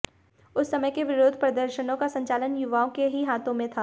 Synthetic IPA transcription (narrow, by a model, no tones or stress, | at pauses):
ʊsːɐməjkeʋɪɾoːd̪ʱpɾɐd̪əɾʃənõkasɐ̃ɲt͡ʃaːlənjʊʋaːõkeɦiɦaːt̪õmẽt̪ʰaː